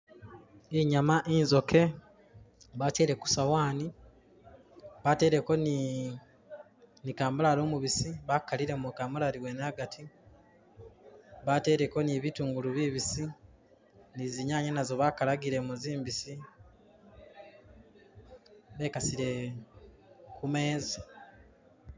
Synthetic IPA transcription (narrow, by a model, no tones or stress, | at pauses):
iɲamaʔinzo̞ke̞ | βace̞ɾe̞ku̥sawaːni | βate̞ːɾe̞ko̞ni | nikaːmbulalo̞ːmuβisiβakːaliɾe̞mukaːmbulaɾiwenaɡatʰi | βate̞ːɾe̞ko̞niβituːŋɡuluβiβisi | niziɲaːɲanazo̞βakalaɡiɾe̞muziːmbisi | βe̞ːkasiɾe̞ | kume̞ːza